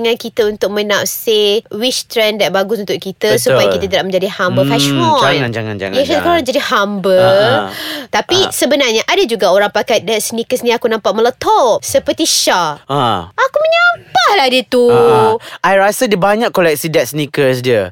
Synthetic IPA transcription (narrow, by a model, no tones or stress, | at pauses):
ŋãnkit̪əunt̪ʊk̚mə̃napsewit͡ʃt̪ɾɛndaʔ̪̚baɡʊsunt̪ʊʔkit̪əsupajakit̪ət̪iɾap̚mə̃ɲd͡ʒadihambəfɛʃmɔd͡ʒaŋand͡ʒaŋa̰nd͡ʒa̰ŋaʃakaoɾaŋd͡ʒadihambə | t̪apisəbənarɲaʔadad͡ʒuɡaoɾaŋpakat̪̚dɛtsənikəsnĩakunãmpaʔmə̃lət̪ɔʔ̚səpərt̪iʃaaʔakumə̃ɲampahlahdit̪u | ʔajɾasədibaɲãkkːolɛk̚sidɛt̪̚snikəsdiə